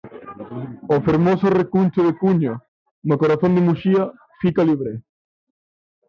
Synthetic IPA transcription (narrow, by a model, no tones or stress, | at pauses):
ofeɾmosorekunt͡ʃoðekuɲo | nokoɾaθõnd̪emuʃia | fikaliβɾe